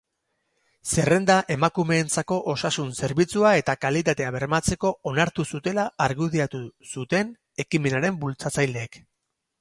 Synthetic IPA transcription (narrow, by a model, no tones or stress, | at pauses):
se̞re̞nd̪aʔe̞makume̞ːnt͡sako̞ʔosasunse̞ɾβit͡suae̞t̪akalit̪at̪e̞aβ̞e̞ɾmat͡se̞ko̞onaɾt̪usut̪e̞laːɾɣuðiat̪usut̪e̞n | e̞kime̞naɾe̞mbult͡sat͡sajle̞ːk